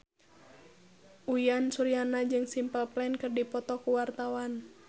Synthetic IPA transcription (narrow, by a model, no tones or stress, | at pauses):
ʔujansuɾianad͡ʒɨŋsimpəlplɛnkɨrdipɔt̪ɔkuwart̪awan